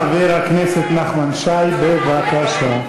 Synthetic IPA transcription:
veɾaknɛset̪naχmanʃajbevakaʃa

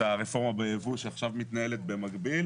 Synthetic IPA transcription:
aʁefo̞ʁmabeevuʃeaχʃavmit̪naje̞le̞t̪be̞maɡbil

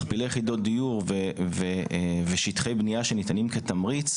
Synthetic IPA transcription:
χpilejeχid̪od̪ijuʁveveveʃit̪χe̞jbnijaʃenit̪animket̪amʁit͡s

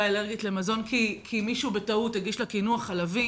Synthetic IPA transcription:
aeleʁɡitle̞mazo̞nkʰikʰimiʃubetautiɡiʃlakinuaχalavi

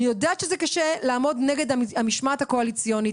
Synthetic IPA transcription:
nijo̞daat̪ʃezɛkaʃelaːmo̞dneɡedamiʃmathako̞alit͡sijo̞ni

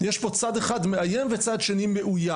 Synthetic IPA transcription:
jeʃbo̞t͡sad̪eχad̪meajemvet͡sad̪ʃenimeʔuja

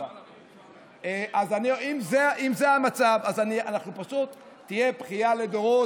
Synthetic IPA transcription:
eʔazaniimzeʔimzeamat͡savazania̰naχnupaʃut̪ː | ije̞pχijale̞d̪o̞ʁo

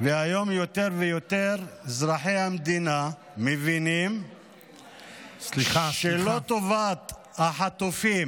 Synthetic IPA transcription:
veajo̞mjo̞t̪e̞ʁvejot̪eʁzʁaħejhamd̪ina | mevinim | sliʃelot̪ovat̪haħat̪ufim

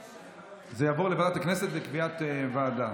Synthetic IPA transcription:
zejaːvo̞levaːdat̪aknesetlekviat̪vaːda

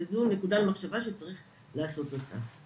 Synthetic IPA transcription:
zune̞kud̪alemaχʃavaʃet͡saʁiχ | laːso̞t̪ot̪a̰

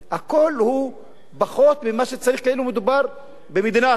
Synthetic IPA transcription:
hako̞lhu | baχo̞t̪mimaʃet͡saʁiχkaelumed̪ubaʁ | bemid̪ina

